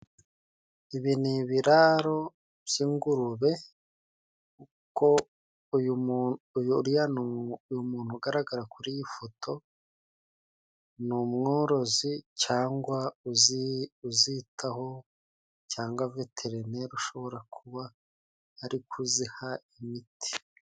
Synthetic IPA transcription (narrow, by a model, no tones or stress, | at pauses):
iβiniβiɾaɾo̞ | bjiːŋɡuɾuβe̞ | u | ko | j | juɾijanuujumuːn̥huɡaɾaɡaɾakuɾijifotʰo̞ | numŋo̞ːɾo̞zicaːŋɡwauzuzitʰaho̞ | caːŋɡwavetʰeɾeneɾuʃo̞βo̞ɾakʰuβaː | ɾikʰuzihaimitʰi̥